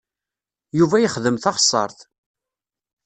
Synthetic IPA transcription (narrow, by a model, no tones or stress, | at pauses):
juvæjəχðəmθɑʁsˤɑ̰ɾˤθ